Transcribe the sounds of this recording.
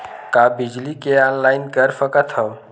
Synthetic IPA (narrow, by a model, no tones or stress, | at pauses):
kabid͡ʒlikeanlaɪnkəɾfəkət̪ʰɦəʋ